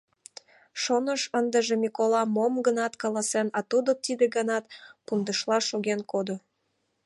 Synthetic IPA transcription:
ʃonəʃənd̪əʒemʲikolɑmomɡənɑt̪kɑlɑsenɑt̪ud̪ot̪id̪eɡənɑt̪pund̪əʃlɑʃoɣenkod̪o

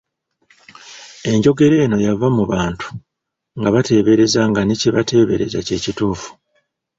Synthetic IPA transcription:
e̞ɲɟo̞ɡe̞ɾe̞ːno̞javamuβaːntu̥ | ŋɡaβate̞ːβe̞ɾe̞zaŋɡaniciβate̞ːβe̞ɾe̞̰za̰ce̞ːcituːfu̥

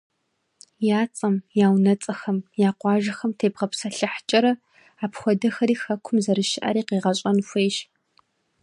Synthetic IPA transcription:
jaːt͡sʼɐmjaːwnɐt͡sʼɐxɐmjaːqʷɑːʒɐxɐmtʰeːbʁɐpsɐɬɐħt͡ʃʼɐɾɐ | aːpxʷɔdɐxɐɾiːxɐkʷʰʊmzɐɾɨʃɪʔa̰ɾiːqeːʁɐɕʼɐnfʷeːʃ

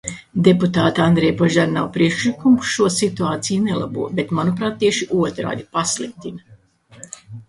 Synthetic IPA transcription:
d̪eput̪aːt̪and̪ɾejpɔʒaɾnawpɾiɛkʃlikumkʃuɔsit̪uaːt̪sijnelˠa̰buɔbet̪manupɾaːt̪̚ːiɛʃiʔuɔt̪ɾa̰ːd̪ipaslˠik̚t̪inɐ

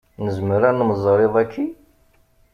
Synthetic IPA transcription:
nəzməɾænəmzˤɾˤeðˤækʰːi

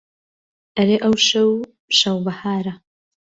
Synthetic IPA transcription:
ʔɐɾeːʔɐwʃɐw | ʃɐwbɐhaːɾɐ

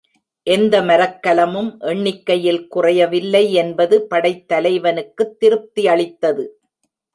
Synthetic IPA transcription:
ʔɛnd̪ɐmɐɾɐkːɐlɐmɯmʔɛɳːɪkːɐjɪlkʊrɐjɐʋɪlːɐɪɛnbɐðɯpɐɽɐɪt̪ːɐlɐɪʋɐnɯkːɯt̪ːɪɾɯp̚t̪iɐɭɪt̪ːɐðɯ

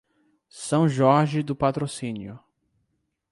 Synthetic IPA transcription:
sɐ̃w̃ʒɔɾʒɪd̪ʊpat̪ɾosĩnjʊ

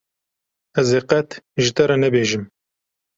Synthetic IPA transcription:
ɛzeqɛt̪ʒɪt̪ɛɾɛnɛbeːʒɨm

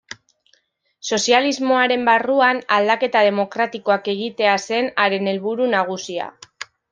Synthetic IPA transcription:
so̞sializmo̞aɾe̞mbaruanald̪ake̞t̪að̞e̞mo̞kɾat̪iko̞ake̞ɣ̞it̪e̞ase̞naɾe̞ne̞lβuɾunaɣ̞usia̰

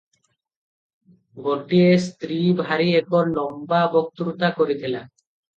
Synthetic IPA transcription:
ɡoʈiest̪ɾibʱaɾiekʰoɾlɔmbabok̚t̪uɾut̪akoɾit̪ʰila

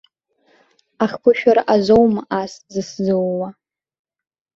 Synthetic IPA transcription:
aχʲkʷʰʊʃᶣaɾaʔazowmaʔaszɨszowːa

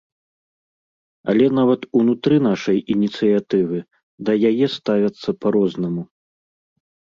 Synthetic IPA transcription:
ɐ̰lʲɛn̪avɐt̪unut̪ɾɨnaʂɐjinʲit̪sɨjat̪ɨvɨ | d̪ɐjajɛst̪avʲɐt̪sːɐpɐɾɔznɐmu

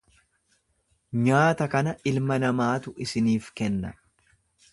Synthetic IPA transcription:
ɲaːt̪ɐkɐnɐʔɪlmɐnɐmaːt̪ʊʔɪsɪniːfkɛnːɐ

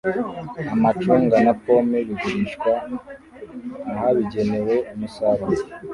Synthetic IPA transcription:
amat͡ʃuːŋɡanapo̞meβiɡuɾiʃkwa | haβiɟe̞ne̞we̞umusaɾaɾe

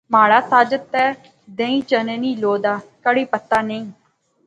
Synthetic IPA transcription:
maːɽaːt̪aːd͡ʒət̪ɛː | d̪ẽːĩːt͡ʃənenĩːloːd̪aːkəɽiːpət̪ːaːnəĩː

